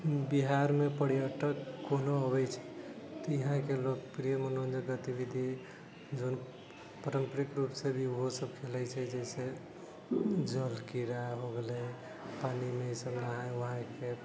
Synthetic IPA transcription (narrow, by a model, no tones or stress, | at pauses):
biɦaɾmepəɽijəʈəkːonoəbɛt͡ʃʰɛ̥ | t̪ɔiɦãkeloɡpɾijəmənond̪əɡət̪ibid̪ʱi | d͡ʒon | pəɾəmpəɾikɾupsebʱioɦosəbkʰelɛt͡ʃʰɛd͡ʒɛse | d͡ʒəlkiɾaɦoɡelɛ | panimesəbnaɦãʋəɦãke